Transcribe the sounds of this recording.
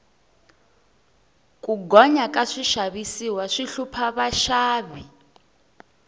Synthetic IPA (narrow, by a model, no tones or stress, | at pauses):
kʼuɡɔɲakʼaʂiʃaβisiwaʂiɬupʰaβaʃaːβi